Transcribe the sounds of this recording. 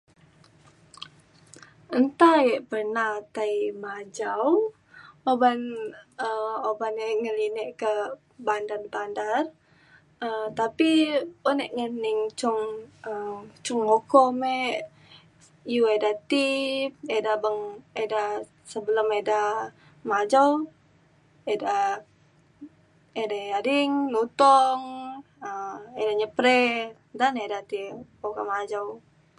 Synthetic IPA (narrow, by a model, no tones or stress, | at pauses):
ənt̪ajɛʔpərnaht̪aimad͡ʒaw | obanəobanɛʔŋəlinəʔkə | bandarbandar | əmt̪apiponɛʔŋəniŋt͡ʃʊŋət͡ʃuŋokɔmeʔ | ijuedat̪iedabəŋeda | səbələmeda | mad͡ʒaw | eda | edaadiŋnut̪ɔŋ | əedaɲəpɾɛ | danedat̪ipokamad͡ʒaw